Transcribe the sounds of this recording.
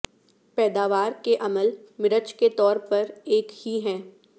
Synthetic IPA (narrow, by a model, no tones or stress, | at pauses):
pɛːd̪aːʋaːɾkeʔɐməl | mɪɾət͡ʃket̪ɔːɾpɐɾeːkhiɦɛ̃ː